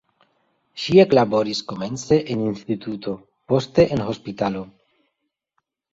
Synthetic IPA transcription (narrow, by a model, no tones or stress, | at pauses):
ʃie̞klabo̞ɾisko̞me̞nt͡se̞ʔeninst̪it̪uto̞ | po̞st̪e̞ʔenɦo̞spit̪alo̞